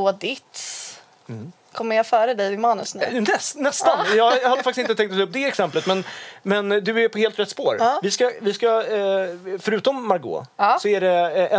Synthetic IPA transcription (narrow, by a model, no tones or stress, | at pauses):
oːd̪ɪt̪s | kʰɔmːəjɑfœːɾəd̪ɛjvɪmɑːnəsnnɛsnɛst̪anjɑːjhad̪əfak̪̚ɪsɪnt̪ət̪ʰɛŋt̪t̪ːɵp̚ːd̪ɛɛksɛmplət̪mɛnmɛnd̪ɵæɾpʰɔheːlt̪ɾɛt̪spoːɾvɪskavɪska | fœɾʉ̟ːt̪ɔmːaɾɡo̰ːsɔæɖɛɛ